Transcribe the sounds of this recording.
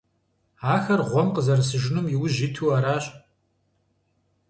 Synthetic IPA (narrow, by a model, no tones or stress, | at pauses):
aːxɐrʁʷɔmqəzɐrɐsɨʒɪnumjɪwʊʑitʰuaːɾaːɕʼ